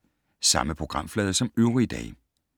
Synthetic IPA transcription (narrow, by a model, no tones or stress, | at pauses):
sɑ̈məpʰʁo̝ɡ̥ʁɑ̈m̰flɛːð̞ˠɐsɒ̽møʊʁid̥ɛ̰ː